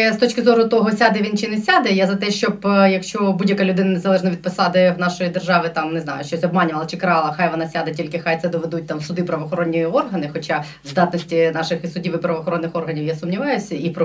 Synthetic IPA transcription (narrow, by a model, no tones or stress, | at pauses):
st̪ɔt͡ʃkɪzɔɾʊt̪ɔɦɔsʲad̪ɛʋʲint͡ʃɪnɛsʲad̪ɛjazɐt̪ɛʃt͡ʃɔbjɐkʃt͡ʃɔbudʲjɐkɐlʲʊd̪ɪnɐnezɐlˠɛʒnɐʋʲid̪̚pɔsɑd̪ɪwnɑʃɔjid̪erʒɑʋɪt̪ɑmneznɑ̰jʊʃt͡ʃɔsʲɔbmɑnʲʊʋɐlˠɐt͡ʃɪkɾɐɑlˠɐxajʋɔnɑsʲad̪ɛtʲilʲkɪxajt̪sɛd̪ɔʋed̪ut̚ʲt̪ɑmsʊd̪ɪpɾɐʋɔːxɔɾonʲːijiɔrɦɐnɪxɔt͡ʃa | zd̪ɑt̪nɔsʲtʲinɑʃɪxisʊdʲiʋɪpɾɐʋɔːxɔɾɔnːɪxɔrɦɐnʲiwjasʊmnʲiʋɑjʊsʲɐipɾɔ